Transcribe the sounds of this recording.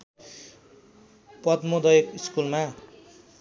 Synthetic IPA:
pʌt̪mod̪ʌjekiskulma

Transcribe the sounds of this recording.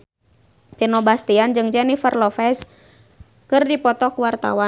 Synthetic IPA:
pinɔbast̪iand͡ʒɨŋd͡ʒɛnifərlɔfɛs | kɨrdipɔt̪ɔkuwart̪a̰wa

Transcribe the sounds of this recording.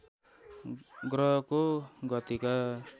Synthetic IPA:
ɡɾɔkuŋɡɔt̪ika

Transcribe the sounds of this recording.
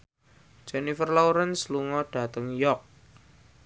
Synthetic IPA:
d͡ʒɛnifərlawɾənsluŋɔɖ̥a̤t̪əŋjɔk̚

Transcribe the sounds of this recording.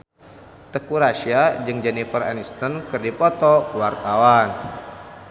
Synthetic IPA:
t̪əkuɾaʃiad͡ʒɨŋd͡ʒɛnifəra̰nist̪ənkɨrdipɔt̪ɔwart̪awan

